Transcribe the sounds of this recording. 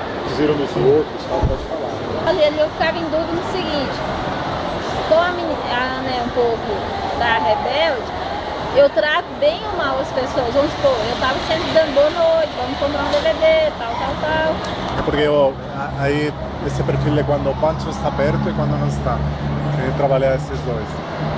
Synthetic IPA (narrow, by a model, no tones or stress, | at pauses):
d͡ʒizeɾɐ̃w̃d̪uziowt̪ɾʊskawpɔd͡ʒɪfala | ɔʎɐɐliewfkavĩd̪ud̪ʊnʊsɪɡĩt͡ʃɪ̥ | kõw̃ɐmĩniaɐ̃nɛũpowkʊ | d̪ɐɦebɛwd͡ʒɪ | ewt̪ɾat̪ʊbẽj̃mawɐspesoɐzõspoewt̪avɐsẽmpɾɪd̪ɐ̃nd̪ʊboɐnojd͡ʒɪvɐ̃mʊkõmp̪ɾãd̪eved̪et̪awt̪awt̪aw | ɛpoɾkeo | aai | esɪpeɾfilɛkwɐ̃nd̪ʊopɐ̃t͡ʃɪoɪst̪aːbɛɾt̪ʊɛkwɐ̃nd̪ʊnɐ̃w̃ɪst̪aɐ̃t̪ɾabaʎaaesɪzd̪ojs